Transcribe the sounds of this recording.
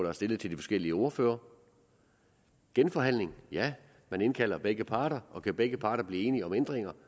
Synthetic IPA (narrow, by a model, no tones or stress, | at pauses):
d̥ɑ̈æɐsd̥e̝lð̩ˠt͡sʰe̝ld̥ifɒ̽sɡ̥el̰iəo̝ːɐfø̰ːɐ | ɡ̥enfɒ̽ɦæn̰le̝ŋjæ | mæne̝nkʰæl̰ɐb̥eɡ̥əpʰɑ̈ːɾɐʔɒ̽kʰæb̥eɡ̥əpʰɑ̈ːɾɐb̥liːe̝ːniəɒ̽mend̥ʁeŋɐ